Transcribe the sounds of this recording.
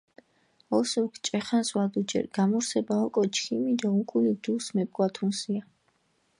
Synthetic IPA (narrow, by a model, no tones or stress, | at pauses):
ɔsukʰt͡ʃʼɛχanswad̪ud͡ʒɛ̰ɾɡ̥amɔɾsɛbaɔkʼɔt͡ʃʰkʰimid̪aukʼulid̪usmɛpʼkʼwat̪ʰunsia